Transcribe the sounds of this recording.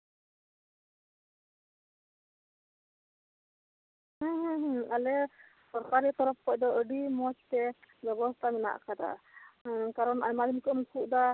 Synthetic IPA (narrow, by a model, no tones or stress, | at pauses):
ɦə̃ɦə̃ɦalɛ | sɔɾkaɾit̪ɔɾɔp̚kɔʔˀd̪ɔəɖimɔt͡ʃt̪ɛbɛbɔst̪ʰamɛna̰ʔkʰad̪a̰ | kaɾɔnaɲmad̪imikɔmkʰuʔd̪a